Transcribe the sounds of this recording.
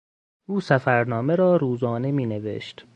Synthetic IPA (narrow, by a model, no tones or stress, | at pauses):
ʔuːsæfæɾnɒːmeɾɒːɾuːzɒːne̞miːne̞vḛʃt̪